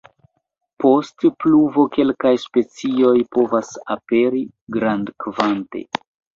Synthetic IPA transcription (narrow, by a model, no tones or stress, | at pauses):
po̞stpluvo̞ke̞lkajspe̞t͡sio̞jpo̞vasape̞ɾi | ɡɾandkvante̞̰